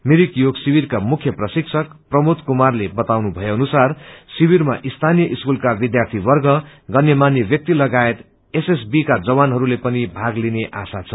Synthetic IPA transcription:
meɾikjoɡsibirkamukʰjʌprʌsiksʰʌkprʌmot̪kumarlebʌt̪awnubʱʌjeʌnusarsibiɾmaʔist̪ʰanijʌʔiskulkabid̪jart̪ʰiwʌrɡʌɡʌrnːjemanjʌbjʌk̚t̪ilʌɡaet̪ | eses̬bikad͡zʌwanɦʌɾulepʌnibʱaɡlineʔa̰sat͡sʰʌ

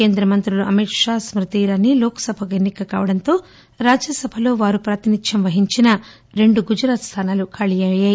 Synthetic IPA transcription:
ke̞ːnd̪ɾɐmɐnt̪ɾuluʔɐmiʈʂaːsmɾit̪iːɾanːilɔːkɐ̥sɐbʱɐkenːikɐka̰ːʋɐɽɐnt̪o̞ː | ɾaːd͡ʒjɐsɐbʱɐlo̞ːʋaːɾupɾaːt̪inid̪jɐmʋɐɦiɲt͡ʃinɐ | ɾe̞ɳɖuɡud͡ʒuɾaːt̪st̪ʰaːnaːlukʰaːɭijajaːji

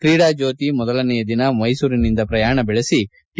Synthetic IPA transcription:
kɾiːɽaːd͡ʒo̞ːt̪imɔd̪ɐlɐnɛjɐd̪inɐmɐjsuːɾinind̪ɐpɾɐjaːɳɐbɛɭesi

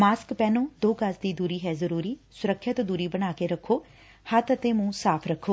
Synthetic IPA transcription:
maːskpɛːnõːd̪oːkəsd̪iːd̪uːɾiːɦɛːzəɾuːɾiːsʊɾəkʰːət̪d̪uːɾiːbəɽ̃aːkeɾəkʰːoː | hət̪ət̪eːmũːsaːpʰɾəkʰːoː

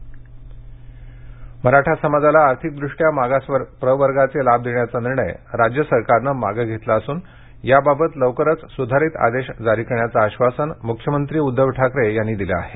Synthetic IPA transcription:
məɾaʈʰasəmad͡zalaːɾt̪ʰik̚d̪ɾuʂʈjamaɡasʋəɾpɾəʋəɾɡat͡selab̚d̪eɳjat͡saniɾɳəjɾad͡ʑjəsəɾkaɾnəma̰ɡəɡʱet̪laəsuːn | jababət̪ləʋkəɾət͡ssud̪ʱaɾit̪a̰d̪eɕd͡zaɾiːkəɳjat͡saːɕʋasənmukʰjəmənt̪ɾiːud̪ʱːəʋʈʰakɾejanːiːd̪ila̰a̰ɦe

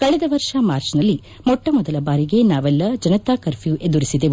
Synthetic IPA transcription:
kɐɭɛd̪ɐʋɐɾʂɐmaːɾt͡ʃnɐlːi | mɔʈːɐmɔd̪ɐlɐbaːɾiɡe̞naːʋɛlːɐd͡ʒɐnɐt̪aːkɐɾpʰijuʔe̞d̪uɾisid̪e

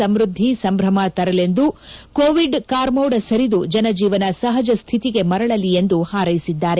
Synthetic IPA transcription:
ɐmɾud̪ʱːisɐmbɾɐmɐt̪ɐɾɐle̞nd̪ukoːʋiɖkaːɾmoːwɽɐsɐɾid̪ud͡ʒɐnɐd͡ʒiːʋɐnɐsɐɦɐd͡ʒɐst̪ʰit̪iɡe̞mɐɾɐɭɐlie̞nd̪uhaːɾɐjisid̪ːaːɾe

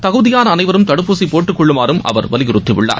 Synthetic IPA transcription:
t̪ɐɣɯðɪjaːnɐːnɐɪʋɐɾɯmt̪ɐɽɯpːuːsipoːʈːɯkːʊɭːɯmaːɾɯmʔɐ̰ʋɐɾʋɐlɪjɪɾɯt̪ːɪʋɪɭːa̰ːɾ

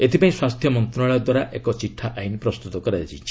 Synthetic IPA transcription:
et̪ʰipaĩswast̪ʰjɔmɔnt̪ɾunaɭɔɔd̪waɾaʔekɔt͡ʃiʈʰːaʔajnipɾɔst̪ut̪ɔkɔɾaat͡ʃʰit͡ʃʰi̥

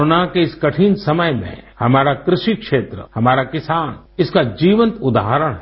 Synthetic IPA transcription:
oːnakeɪskɐʈʰiːnsɐməjmḛ̃hɐmaːɾakɾɪʃikʃeːt̪ɾə̰hɐmaːɾakɪsaːn | ɪskad͡ʒiːʋə̃nt̪ʊd̪a̰ːɦəɾəɽ̃ɦɛ

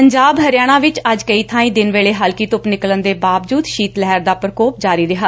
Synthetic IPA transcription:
pəɲd͡ʒaːbɦəɾjaːɽ̃ãːʋɪt͡ʃəd͡ʒkəiːt̪ʰãːĩːd̪ɪnʋeːɭeːɦəlkiːt̪ʊpnɪklənd̪eːbaːʋd͡ʒuːd̪ʃiːt̪lɛɦəɾd̪aːpɾəkoːp̚d͡ʒaːɾiːɾɪɦaː

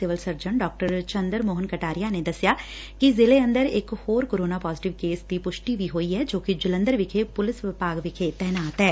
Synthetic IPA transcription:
sɪʋəlsəɾd͡ʒəɳɖɔːk̚ʈəɾt͡ʃə̃nd̪əɾmoːɦənkəʈaːɾɪjaned̪ɐsjaː | kizɪleə̃nd̪əɾɪkhoːɾkoːɾoːnaːpaːzɪʈɪʋkeːsd̪ipʊʃʈibʱiɦoːiɦɛd͡ʒoːkid͡ʒɪlə̃nd̪əɾʋɪkʰepʊlɪsʋɪpaːɡʋɪkʰet̪ɛɦnaːt̪ɦɛː

